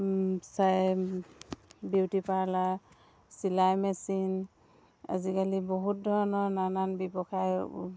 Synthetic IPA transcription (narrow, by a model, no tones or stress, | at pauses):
saj | biwtipaɹla | silajmɛsin | a̰zikalibɔɦut̚dʱɔɹɔnɔɹnananbibɔxaj